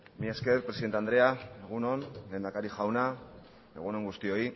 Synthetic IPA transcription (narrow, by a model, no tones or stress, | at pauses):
mieskeɾpɾe̞siðe̞nt̪eand̪ɾe̞ae̞ɣ̞uno̞nle̞ːnd̪akaɾiʝawna | e̞̰ɣ̞uno̞ŋɡust̪io̞i